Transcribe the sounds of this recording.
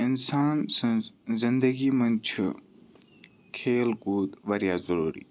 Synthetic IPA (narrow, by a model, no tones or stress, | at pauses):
ɪnsaːnsɐ̃zɪnd̪əɡiːmɐ̃nt͡ʃʰu | kʰeːlɡuːt̪ʋɐɾjaːzɐɾuːɾḭː